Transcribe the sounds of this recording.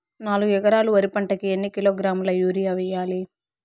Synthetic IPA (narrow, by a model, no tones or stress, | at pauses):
naːluɡuɛkɐɾaːluʋɐɾipɐɳʈɐkienːikiloːɡɾaːmulɐjuːɾijaʋɛjaːli